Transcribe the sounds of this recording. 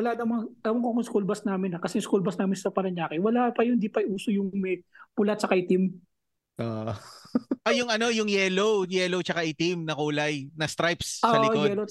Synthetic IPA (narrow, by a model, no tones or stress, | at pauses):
wɐlad̪ɐmaɐlɐmɐŋkokʊskulbɐsnaːmɪnɐkɐsɛjʊŋskulbɐsnaːmɪnsɐpɐɾɐɲaːkɪwɐlapɐjʊnd̪ipɐjʔuːsojʊŋmɛpʊlat̪̚t͡ʃɐkaɪt̪ɪm | ʔo | ojʊŋɐno̞jʊŋjɛlowjɛːlot͡ʃɐkaʔɪt̪imnɐkuːlɐjnɐst̪ɾajpsoːɐʔlɪkoɛlo